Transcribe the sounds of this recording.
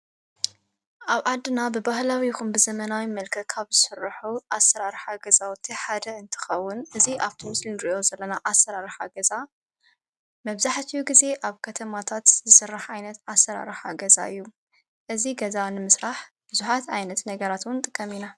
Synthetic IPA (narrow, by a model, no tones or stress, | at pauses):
ʔaβʕad̪ːɨnabɨbahlawiɪxumbɨzɐmɐnawimɐlkʰɐkʰaβzɨsɨrːħuʔasɐɾaɾħaɡɐzawɔt̪ʰːiħad̪ɐɨnt̪ʰɨ̥xɐwːʊnʔɨziʔaβt̪ʰimɨslinɨɾiʔo̞zɐlːɐnaʔasɐɾaɾħaɡɐza | mɐβzaħt̪ʰijuɡize̞ʔaβkʰɐt̪ʰɐmat̪ʰat̪zɨsɨrːaħʕajnɐt̪asːɐɾa̰ɾɨħaɡɐza̰ɨjːu | ʔɨziɡɐzanɨmɨsɾaħ | b̥ɨzuħat̪ʕajnɐt̪nɐɡɐɾat̪wʊnt̪ʼɨkʼːɐmina